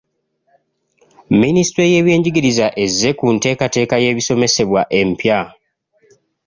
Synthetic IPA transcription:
minisi̥tɾeje̞ːβje̞ːɲɟiɡiɾizaʔe̞zːe̞kunte̞ːkate̞ːkaje̞ːβiso̞me̞se̞βwaʔe̞mpja

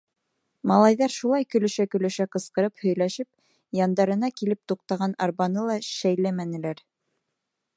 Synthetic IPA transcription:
mɑlˠɑjðɑɾʃulˠɑjkɵ̆lɵ̆ʃækɵ̆lɵ̆ʃæqɤ̆sqɤ̆ɾɤphɵ̆jlæʃɘp̚ | jɑnd̪ɑɾɤ̆nɑkilɘp̚t̪uq̚t̪ɑʁɑnɑɾbɑnɤlˠɑʃæjlæmænɘ̆læɾ

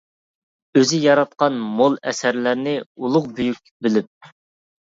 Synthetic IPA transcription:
øzɪjɑɾɑt̪̚qɑnmolˠɛsæɾlæɾnɪulˠʊqbyjyk̚ʲbɪlyp̚

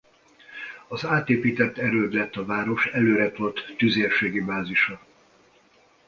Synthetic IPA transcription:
ɒzaːt̪eːpiːt̪ɛt̪ːɛɾøːd̪lɛt̪ːɒvaːɾo̞ʃɛløːɾɛt̪ot̪ːyzeːrʃeːɡimaːziʃɒ

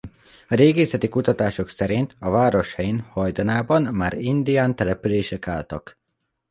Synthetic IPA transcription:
ɾeːɡeːsɛt̪ikut̪ɒt̪aːʃo̞ksɛɾint̪ɒvaːɾo̞ʃhɛinhɒjd̪ɒnaːbɒnmaːɾind̪ijaːnt̪ɛlɛpyleːʃɛkaːlt̪ɒ̰k

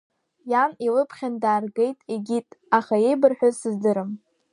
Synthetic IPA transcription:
janilɨpʰχʲandaːrɡe̞jtʼeɡʲitʼaχae̞jbɨrħʷᶣʊzsɨzdɨɾɨm

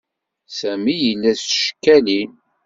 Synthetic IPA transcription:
sæmijəlːæsʃkːælin

